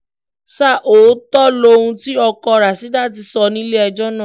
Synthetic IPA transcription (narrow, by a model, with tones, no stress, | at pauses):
sa˦˨ʔoː˨˦tɔ˦lo˧ũ˧ti˦ɔ˧kɔ˧˨ɾa˨si˨˦da˦˨t̬i˧sɔ˧nĩ˦le˦ɛ˧d͡ʒɔ˦nã˦˨